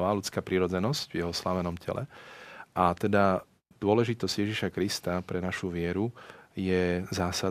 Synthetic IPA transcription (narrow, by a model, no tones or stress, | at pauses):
ʋaːlut͡skaːpɾiɾɔd͡zɛnɔscvjɛɦɔslaʋɛnɔmcʰɛ̰lɛ̰ʔat̪ɛd̪a | d̪̥ʊɔlɛʒit̪ɔzɟ̥jɛʒiʃakɾist̪apɾɛnaʃuʋɪɛɾujɛzaːsa